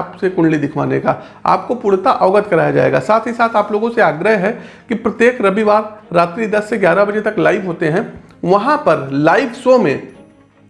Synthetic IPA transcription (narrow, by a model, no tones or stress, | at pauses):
psekʊɽlid̪ɪkʰʋa̰ːneka̰ | a̰ːp̚kopʊɽt̪aʔɔːɡət̪kɐɾaːjad͡ʒa̰ːḛːɡa̰ːsaːt̪ʰɦisaːt̪ʰaːploːɡõseaːɡɾəɦɦɛ | kipɾɐt̪jeːkɾɐbiʋaːɾɾaːt̪ɾid̪ɐsːeɡjaːɾabɐd͡ʒet̪ɐklaːɪʋɦoːt̪eɦɛ̃ | ʋɐɦãpɐɾlaːɪʋsomẽː